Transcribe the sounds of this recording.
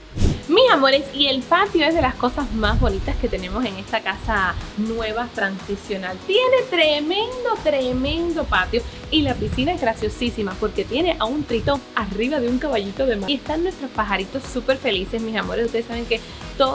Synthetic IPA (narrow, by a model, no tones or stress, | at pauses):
misamoɾe̞sie̞lpat̪jo̞e̞zðe̞lasko̞sazmazβo̞nit̪aske̞t̪e̞nẽ̞mo̞seŋe̞st̪akasanwe̞β̞at̪ɾansisjo̞nalt̪je̞ne̞t̪ɾemẽ̞nd̪o̞t̪ɾemẽ̞nd̪o̞pat̪jo̞ | ilapisinae̞zɣɾasjo̞sisimapo̞ɾke̞t̪je̞ne̞ʔaunt̪ɾit̪o̞ŋariβaðeuŋkaβaʝit̪o̞ðe̞mae̞st̪annwe̞st̪ɾo̞spaɦaɾit̪o̞sːupe̞ɾfe̞lise̞smisamoɾesust̪eesaβeŋke̞ | t̪o